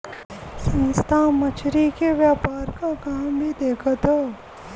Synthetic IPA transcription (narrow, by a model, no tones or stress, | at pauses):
sɐ̃nst̪ʰamɐt͡ʃʰɾikeʋjaːpaːɾkakãːmbʱid̪eːkʰət̪ɦɛː